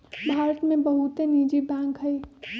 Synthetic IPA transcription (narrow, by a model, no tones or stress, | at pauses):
bʱaːɾət̪mẽbɐɦʊt̪eniːd͡ʒibɛ̃ːŋkɦɐiː